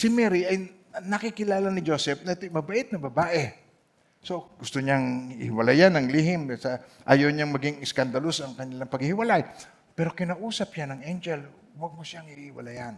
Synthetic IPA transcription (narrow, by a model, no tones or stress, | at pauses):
sɪmɛɾiʔɐj | nɐkikɪlaːlɐnɪd͡ʒo̞ːsɛp̚nɐt̪ojmɐbɐʔɪt̪̚nɐbɐbaːʔɛ | so̞ɡʊst̪oɲaŋɪ̰hɪwɐlajanɐŋlihɪmsɐʔaːjowɲaŋmɐɡiŋɪskand̪ɐlosɐŋkɐɲɪlaŋpɐɡ̚hɪhɪwɐlaj | pɛːɾo̞kɪnaʔuːsɐpjanɐŋɛnd͡ʒɛl | wɐɡ̚mosjaŋɪhɪwɐ̰lajan